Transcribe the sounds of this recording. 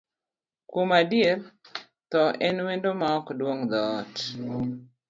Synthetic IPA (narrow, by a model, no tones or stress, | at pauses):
komadije | t̪ɔʔɛnwendomaɔkdwoŋd̪ɔt